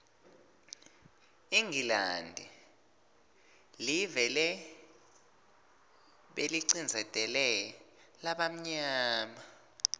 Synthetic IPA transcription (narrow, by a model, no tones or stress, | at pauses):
iŋɡila̰ndʱɛ | livɛlɛ | ɓeliǀind͡zʱɛtʼɛlɛj | laɓam̩ɲaaːma